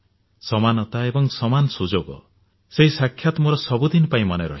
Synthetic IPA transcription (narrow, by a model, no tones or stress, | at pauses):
sɔmanɔt̪aebɔŋsɔmanɔsud͡ʒoɡɔ̰ | seɦisakʰːjat̪mɔɾɔsɔbud̪inɔpaĩmɔneɾɔ̰ɦi